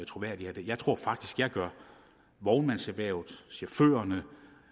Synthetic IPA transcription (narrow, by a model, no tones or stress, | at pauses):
t͡sʰʁo̝ʋæɐ̰d̥ihæd̥e̝jɑ̈ɪt͡sʰʁo̝ɐ̰fɑ̈ɡ̥d̥isɡ̥jɑ̈ɪɡ̥ɶɐ | ʋɒʊnmænseʋɛːʊð̥ˠsiɐføːɐnə